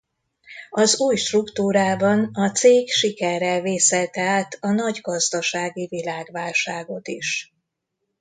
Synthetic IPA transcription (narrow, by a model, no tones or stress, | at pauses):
ɒzuːjʃt̪rukt̪uːɾaːbɒnɒt̪seːkʃikɛrːɛlveːsɛlt̪ɛaːt̪ʰɒnɒɟɡɒzd̪ɒʃaːɡivilaːɡvaːlʃaːɡo̞t̪iʃ